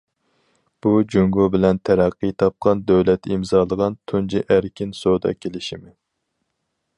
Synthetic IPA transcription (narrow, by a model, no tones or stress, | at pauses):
b̥ud͡ʒoŋɡubɪlɛnt̪ʰæɾæqːijt̪ʰɑp̚qɑnd̪øwlɛt̪ʰimzɑːlˠəʁɑnt̪ʰund͡ʒiʔæɾkʲinsod̪ɑ̰kʲʰelɪʃimɪ